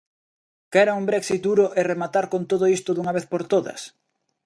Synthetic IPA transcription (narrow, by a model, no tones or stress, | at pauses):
kɛɾaumbɾɛksit̪̚d̪uɾoʔeremat̪aɾkont̪oðoist̪oðuŋaβ̞eθpoɾt̪oðɐ̰s